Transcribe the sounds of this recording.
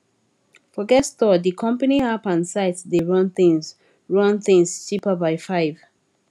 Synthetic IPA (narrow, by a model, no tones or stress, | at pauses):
fɔɡɛstɔdikʰɔ̃mpəniapãnsaɪtdeɹʌ̃nθɪ̃ŋz | ɹʌ̃nθɪ̃ŋz̥t͡ʃipəbaɪfaɪv̥